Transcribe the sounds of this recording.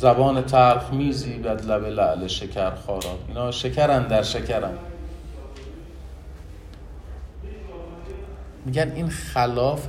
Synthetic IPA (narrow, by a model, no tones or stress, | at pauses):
zæbɒːnet̪ʰæɾfmiːziːbæd̪læbelæʔleʃecʰæɾxɒːɾɒːt̪ʔiːnhɒːʃecʰæɾænd̪æɾʃecʰæɾæn | miːɟæniːnxælɒːf